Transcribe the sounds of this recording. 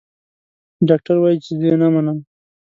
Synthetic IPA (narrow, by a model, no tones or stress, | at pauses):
ɖɑk̚ʈaɾwajit͡ʃed̪ejenamanəm